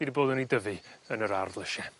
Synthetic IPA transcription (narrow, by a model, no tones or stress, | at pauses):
idiboːdənidəvɨənəɾardlˠəʃɛ